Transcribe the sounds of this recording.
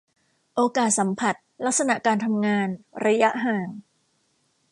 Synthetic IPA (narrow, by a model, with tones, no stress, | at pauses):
ʔoː˧kaː˨˩t̪̚sa˩˦mpʰa˨˩t̪̚la˦˥k̚sa˧na˨˩ʔkaː˧nt̪ʰa˧mŋaː˧nɾa˧ja˦˥ʔɦaː˨˩ŋ